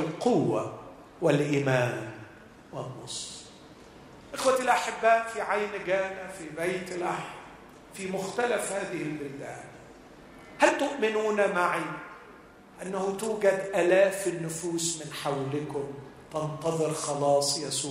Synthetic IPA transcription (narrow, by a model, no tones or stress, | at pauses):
ɪlqʊwːa̰ | wɪlʔiːmaːn | wɪnːɑ̰sˤ | ʔɪxwaɪlʔaħɪbːaːʔfiʕajnaɡaːnafibajt̪ɪlʔaħm | fimʊxt̪alafhaːðɪhɪlbɪld̪aːl | halt̪ʊʔmɪnuːnamaʕi | ʔanːahʊt̪uːɡad̪ʔalaːfɪnːʊfuːsmɪnħawlɪkʊmt̪ɑnt̪ɑðˤɨɾxɑlɑːsˤjasuː